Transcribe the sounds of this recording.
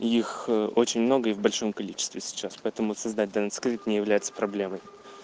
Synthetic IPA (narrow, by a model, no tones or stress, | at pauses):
ixo̞t͡ɕɪnʲmno̞ɡəɪvbɐlʲʂo̞mkɐlʲit͡ɕɪ̥st̪vʲɪsʲɪ̥t͡ɕːaspɐɛt̪əmʊsɐzd̪at̚ʲd̪ɐnət̪skɾʲit̪nʲɪjɪvlʲæjɪt̪sə̥pɾɐblʲeməj